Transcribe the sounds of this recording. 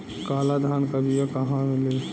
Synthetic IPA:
kaːlad̪ʱaːnkɐbʱijakɐɦãmɪle

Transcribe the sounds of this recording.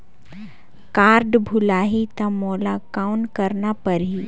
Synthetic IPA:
kaːɾɖbʱʊlaːɦit̪amɔːlakaʊnkɐɾnapɐɾɦiː

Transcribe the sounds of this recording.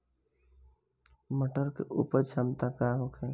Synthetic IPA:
məʈəɾkḛʔupəɾt͡ʃʰəmt̪akaɦokʰɛ

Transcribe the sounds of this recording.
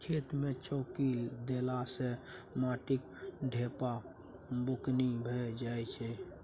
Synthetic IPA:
kʰet̪met͡ʃɔkid̪elasemaʈik | ɖʱepa | bʊknibʱɛd͡ʒajt͡ʃʰɛ

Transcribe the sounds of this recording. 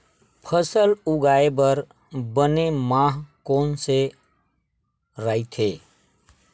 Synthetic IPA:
pʰəsəlʊɡaːebəɾ | bənemãːɦkoːnse | ɾəit̪ʰeː

